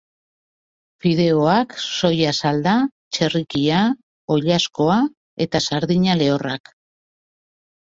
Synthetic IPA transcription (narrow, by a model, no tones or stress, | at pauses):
fiðe̞o̞akso̞jasald̪a | t͡ʃe̞rikia | o̞ʎasko̞a | e̞t̪asaɾðiɲale̞o̞rak